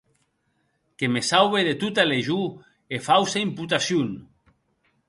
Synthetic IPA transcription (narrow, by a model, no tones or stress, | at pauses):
kemesawβeðet̪ut̪aleʒu | efawsaimput̪asjun